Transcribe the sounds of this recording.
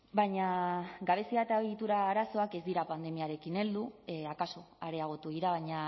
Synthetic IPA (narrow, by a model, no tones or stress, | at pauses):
bajɲaɡaβ̞e̞siat̪aɣit̪uɾaːɾaso̞ake̞zd̪iɾapand̪e̞miaɾe̞kine̞ld̪uakaso̞aɾe̞aɣ̞o̞t̪uɣiɾaβaɲa